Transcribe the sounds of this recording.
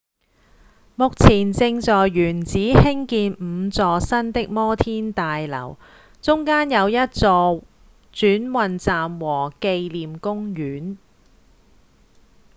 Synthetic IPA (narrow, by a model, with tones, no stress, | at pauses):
mʊ˨k̚t͡sʰiː˨˩nt͡sɪ˧ŋt͡sɔː˨jːyː˨˩nt͡siː˨˥hɪ˥ŋkiː˧nm̩˨˧t͡sɔː˨˧sɐ˥nt̪ɪ˥k̚mɔː˥t̪ʰiː˥nt̪aː˨jlɐ̰˨˩w | t͡sʊ˥ŋkaː˥njɐ˨˧wjɐ˥t̚t͡sɔː˨˧ | t͡syː˨˥nwɐ˨˧nt͡saː˨mwɔː˨˩ke˧jliː˨mkʊ˥ŋjyː˨˥n